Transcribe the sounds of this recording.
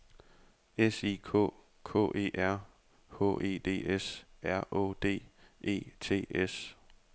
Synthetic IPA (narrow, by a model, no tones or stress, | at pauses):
esiːkʰɔ̰ː | kʰɔ̰ːʔe̝̰ːʔæɐ̰ | ho̰ʔe̝̰ːd̥e̝̰ːesæɐʔo̰d̥e̝̰ːʔe̝̰ːt͡sʰe̝̰ːes